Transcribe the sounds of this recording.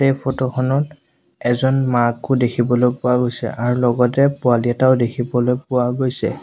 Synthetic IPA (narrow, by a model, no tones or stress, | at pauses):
ɛjpʰɔtɔxʰɔnɔt | ɛzɔnmakʊdekʰibɔlojpʊwaɡojsɛ̰ʔaɹulɔɡɔtɛpʊaliɛtaʊdekʰibɔlojpʊwaɡojsɛ̰